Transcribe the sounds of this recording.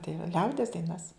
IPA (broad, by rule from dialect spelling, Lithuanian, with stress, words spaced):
tɐɪ ʋɐ ˈlʲɛʊdʲiɛs dɐɪˈnɐs